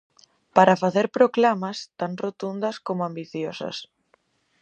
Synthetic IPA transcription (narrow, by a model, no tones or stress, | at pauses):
paɾɐfaθeɾpɾoklamɐst̪aŋrot̪und̪ɐskomoambiθjosɐ̰s